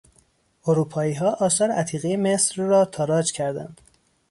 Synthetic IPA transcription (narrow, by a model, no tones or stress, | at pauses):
oɾuːpʰɒːiːɦɒːʔɒːsɒːɾeʔæt̪ʰiːɣejemesɾːɒːt̪ʰɒːɾɒːd͡ʒcʰæɾd̪æ̰nd̪̥